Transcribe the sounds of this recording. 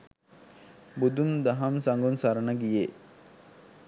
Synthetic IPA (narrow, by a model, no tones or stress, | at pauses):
bud̪und̪ɐɦɐmsaŋɡunsaɾənəɡije